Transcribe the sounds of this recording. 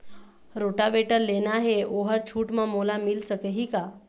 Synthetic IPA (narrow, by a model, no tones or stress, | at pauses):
ɾoːʈaʋeːʈəɾleːnaɦeoːɦəɾt͡ʃʰuːʈmãmolamɪlsəkəɦika